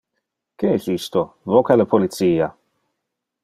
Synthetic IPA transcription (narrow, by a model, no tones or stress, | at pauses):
keɛsist̪ovokaləpʰolit̪siːa